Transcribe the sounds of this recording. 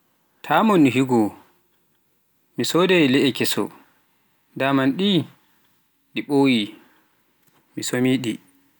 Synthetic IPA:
tʰamonːiɦiɡɔ | misɔdɛjlɛɛkɛsɔ̰ | damanɗi | ɗiɓoːwi | misomiɗi

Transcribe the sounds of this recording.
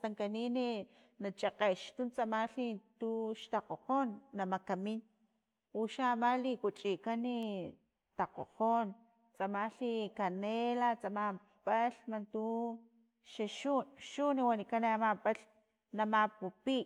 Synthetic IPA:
t̪aŋkanini | nat͡ʃaqeʃt̪unt͡samaɬit̪uʃt̪aqoqoːnːamakamin | uʃamalikut͡ʃʼikani | t̪aqo̰qon | t͡samaɬikanelat͡sama | paɬmant̪u | ʃaʃunʃuniwanikaneamapaɬ | namapupi

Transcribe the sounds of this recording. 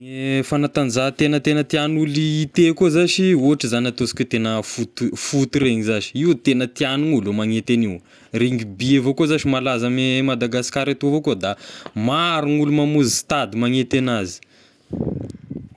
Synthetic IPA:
efanat̪and͡zat̪enət̪enət̪ianuliːt̪ekozaʃiuaʈ͡ʂizanat̪osi̥kʲit̪enəfut̪ufut̪ureŋizaʃi̥iwt̪enət̪ianuŋulomaŋet̪eniw | reŋɡibievokozaʃimalazamemad̪aɡasi̥kaɾet̪uvokod̪amaɾunulumamuzist̪ad̪imaŋet̪enazi̥

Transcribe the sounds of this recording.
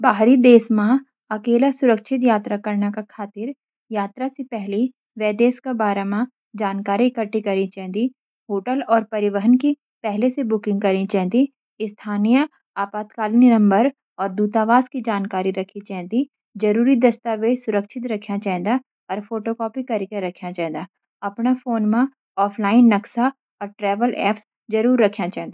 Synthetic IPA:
baːɦɾid̪eːsmã | ɐkeːlasʊɾəkʃʰɪt̪jaːt̪ɾakɐɾnakakʰaːt̪ɪɾ | jaːt̪ɾasepɛɦli | ʋɛːd̪eːskabaːɾamã | d͡ʒaːnkaːɾikəʈːikɐɾit͡ʃɛ̃ːd̪i | ɦoːʈəlɔːɾpɐɾɪʋəɦənki | pɛɦlesebʊkɪ̃ŋɡ̚kɐɾĩt͡ʃɛ̃ːtd̪i | ɪst̪ʰaːnijə | aːpaːt̪kaːlninɐ̃mbəɾ | ɔːɾd̪uːt̪aːʋaːskid͡ʒaːnkaːɾiɾɐkʰit͡ʃaɦnd̪i | d͡ʒɐɾuːɾid̪ɐst̪aːʋeːsʊɾəkʃʰɪt̪ɾɐkʰjãt͡ʃaːɦɛ̃nd̪a | ɔːɾfoːʈokɔːpikɐɾikeɾɐkʰjãt͡ʃaːɦnd̪a | ɐpnafoːnmã | ɔːpʰlaːɪnːɐksa | ɔːɾʈɾɛːʋəlʔɛ̰ːps | d͡ʒɐɾuːɾːɐkʰjãt͡ʃaɦɛ̃nd̪a

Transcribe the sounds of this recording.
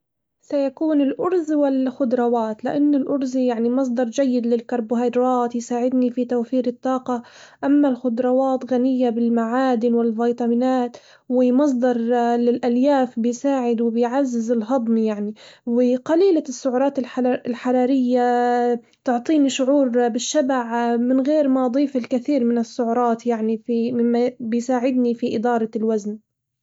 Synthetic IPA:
sajakuːnɪlʔʊɾzwɪlxʊd̪ɾˤɑwaːt̪lɪʔanːʊlʔʊɾzijaʕnimɑs̬ˤd̪ɑɾˤd͡ʒajːɪd̪lɪlkɑɾˤbʊɦɑjd̪ɾˤɑːt̪jsaːʕɪd̪nifit̪awfiːɾɪt̪ˤːɑːqɑʔamːalxʊd̪ɾˤɑwɑːt̪ɣanɪjːabɪlmaʕaːd̪ɪnwɪlvɑjt̪ˤɑmɪnaːt̪ | wɪmɑs̬ˤd̪ˤɑɾˤlɪlʔaljaːfbɪjsaːʕɪd̪wɪbɪjʕazːɪzɪlɦɑd̪ˤmjaʕniwɪqɑliːlasːʊʕʊɾˤɑːt̪ɪlħlħɑɾˤɑːɾɪjːa | t̪ʊʕt̪ˤiːniʃʊʕuːɾbɪʃːabaʕmɪnɣeːɾmad̪ˤiːfɪlkɪθiːɾmɪnɪsːʊʕʊɾˤɑːt̪jaʕnifimɪmːabɪjsaːʕɪd̪nifiʔɪd̪ɑːɾˤɑlwazn

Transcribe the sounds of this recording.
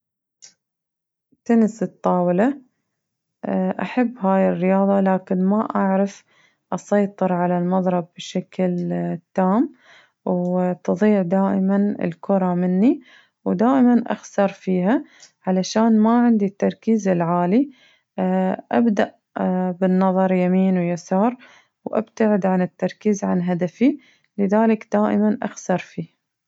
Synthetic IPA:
t̪ʊnɪsɨt̪ˤːɑːwɪla | ʔaħabːɦaːjɪrːɪjɑːðˤɑlaːkɪnmaʔaʕɾɪf | ʔɑsɑjt̪ˤɨɾʕalalmɑðˤɾˤɑb̚ːʃaklt̪ːaːm | wt̪ɨðˤiːʕd̪aːʔɪmanɪ̰lkʊɾˤɑmɪnːi | wd̪aːʔɪmanʔa̰xsɑɾˤfiːɦaʕalaʃaːnmaʕɪnd̪it̪ːɑɾˤkiːzɪlʕaːli | ʔabd̪aʔ | bɪnːɑðˤɑɾˤjamiːnwjasɑːɾˤ | wʔa̰bt̪aʕɪd̪ʕanɪt̪ːɑɾˤkiːzʕanɦad̪afi | lɪðaːlɪkd̪̥aːʔɪ̰manʔa̰xsɑɾˤfiː

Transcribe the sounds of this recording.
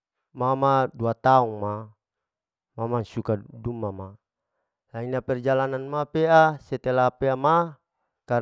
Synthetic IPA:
mamaduat̪auŋma | mamasukadumama | lainapɛrd͡ʒalananmapeasɛt̪ɛlapeama | ka

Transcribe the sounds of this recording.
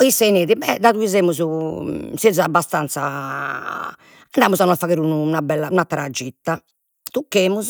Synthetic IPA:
isaineːðibɛd̪aðuizeːmuzusezabːast̪ant̪sa | anɖaːmuzanɔafaɣeːɾunuːnabɛlːaunat̪ɾad͡ʒːit̪ːa | t̪ukːeːmuz

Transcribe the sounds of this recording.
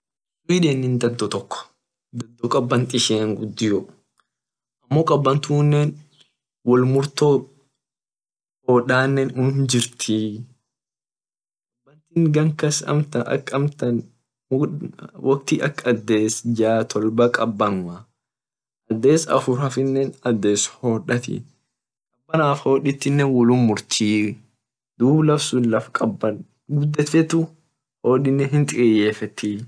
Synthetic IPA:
sʼʊiᶑeːnːɪnd̪ɐd̪ːɔt̪ɔkːɔ̥ | d̪ɐd̪ːɔkʼɐbːɐnt̪ɪʃeːŋɡʊd̪ːɪjɔ | ʔɐmːoːkʼɐbːɐnt̪uːnːeːn | wɔlmʊɾt̪oː | hoːᶑaːnːɛnhʊnd͡ʒɪɾt̪ʰi | kʼɐbːɐnt̪iŋɡɐŋkɐsɐ̰mt̪ɐʔɐ̰kːɐmt̪ɐn | wʔɐk̚t̪iʔɐkːɐd̪ːe̞ːsd͡ʒaːt̪ʰɔlbɐkʼɐbːɐŋwɐ | ʔɐd̪ːeːsɐ̰fʊɾɐfɪnːɛnɐd̪ːe̞ːshoːᶑɐt̪ɪ̰ | kɐbːɐnaːfho̞ːᶑɪt̪ːɪnːɛwɔlʊmʊɾt̪ʰiː | d̪̥uːblɐfsunlɐfkʼɐbːɐn | ɡʊd̪ːɛt̪ɛt̪ʊ | hoːᶑɪnːɛɦɪnt̪ʼɪjeːfɛt̪ːi

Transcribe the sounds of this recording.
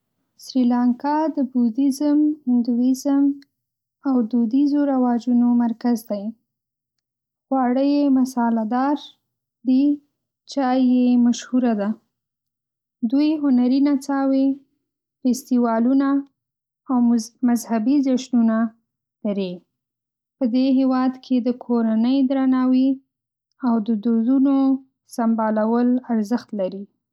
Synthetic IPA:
sɾilaŋkɑd̪əbud̪izəmɪnd̪uɪzəm | awd̪ud̪izoɾawɑd͡ʒunomaɾkazd̪aj | ɣwɑɽəjemasɑlad̪ɑɾ | d̪i | t͡ʃɑjjemaʃhuɾad̪a | d̪ujɦʊnaɾinat͡sɑwe | fest̪iwɑluna | awmazhabizaʃnuna | d̪̥aɾe | pəd̪eɦewɑd̪kʰed̪əkʰoɾanəjd̪ɾanɑwi | awd̪əd̪ozuno | sambɑlawəlaɾzəxt̪laɾi

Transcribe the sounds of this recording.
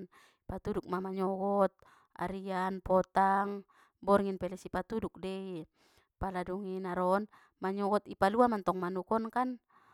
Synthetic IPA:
n | pat̪uduk̚mamaɲɔɡɔt̪̚ | a̰ɾianpɔt̪aŋ | bɔrŋinpɛlɛsipat̪uduk̚dɛi | paladuŋinaɾɔn | maɲɔɡɔt̪ipaluamant̪ɔŋmanukɔnkan

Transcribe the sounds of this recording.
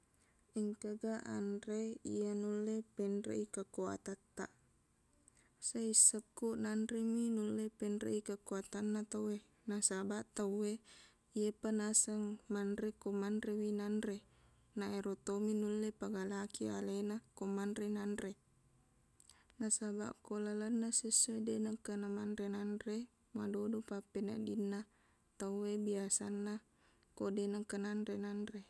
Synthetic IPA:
iŋkəɡaʔa̰nreijanulːepɛnrḛʔikakoa̰t̪at̪ːa̰ʔ | saisəkːuʔnanɾeminulːepɛnɾḛikakuat̪anːat̪awwe | nasabaʔt̪awe | iepanasəŋmanrekomanrewinanre | naʔeɾot̪ominulːepaɡalakia̰lenakomanɾenanre | nasaba̰ʔkolalənːasesuedenakːanamanɾenanre | madodopapena̰dinːa | t̪auwebiasanːa | kodenakːananɾenanre

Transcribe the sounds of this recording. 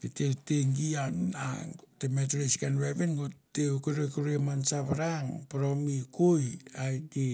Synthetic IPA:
piteteŋɡiana̰temetɾiskanɾeβenɡotekuɾekuɾeamansaβaɾaŋpaɾomikojajti

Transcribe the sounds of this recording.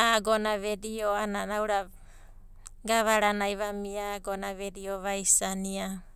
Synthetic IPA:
aɡonaβedioananawɾa | ɡaβaɾanajβamiaɡonaβedioβajsania

